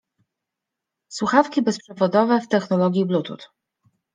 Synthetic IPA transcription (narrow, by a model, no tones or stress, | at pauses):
swuxafkʲibɛspʂɛvɔd̪ɔvɛft̪ɛxnɔlɔɡʲjiblut̪ṵt̪